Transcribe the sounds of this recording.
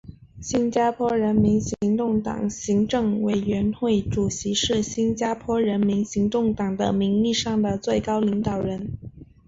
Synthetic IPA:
ɕi˥nt͡ɕja˥pʰwɔ˥ɻə˧˥nmi˧˥nɕi˧˥ŋt̪ʊ˥˩ŋt̪ɑ̰˨˩ŋɕi˧˥ŋʈ͡ʂɤ˥˩ŋwe˨˩ɪɥɛ˧˥nxwe˥˩ɪʈ͡ʂu˨˩ɕi˧˥ʂɻ̩˥˩ɕi˥nt͡ɕja˥pʰwɔ˥ɻə˧˥nmi˧˥nɕi˧˥ŋt̪ʊ˥˩ŋt̪ɑ˨˩ŋd̪ə̰˦mi˧˥ŋli˥˧ʂɑ˥˩ŋd̪ə˩t͡swe˥˩ɪkɑ˥ʊli˧˥ŋt̪ɑ˨˩ʊɻə˧˥n

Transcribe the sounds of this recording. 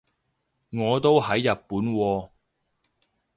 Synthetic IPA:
ŋɔː˨˧t̪o˥whɐ˨˥jːɐ˨t̚puː˨˥nwɔː˧

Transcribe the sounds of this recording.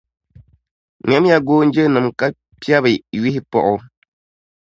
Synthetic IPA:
ŋɛ˨˦m˦ja˦ɡoː˦n̩˦d͡ʒə˦nɨ˨mka˦ | pja˦βɨ˨ɥi˦hi˦pɔ̰˨ʔʊ˨

